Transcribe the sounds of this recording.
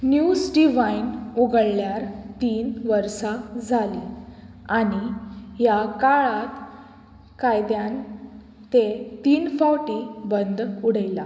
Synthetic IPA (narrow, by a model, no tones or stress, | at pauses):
njusɖiʋainuɡəɽljaɾt̪iːnʋəɾsad͡zʱali | aɽ̃ijakaɭat̪ | kajd̪jan | t̪et̪iːnfawʈibənd̪uɽəjla